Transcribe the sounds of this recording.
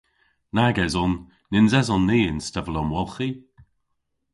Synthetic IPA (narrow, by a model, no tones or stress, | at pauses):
naɡɛzɔnː | ɪnzɛzɔnːiːɪnstɛvəlɔmwɔlˠxi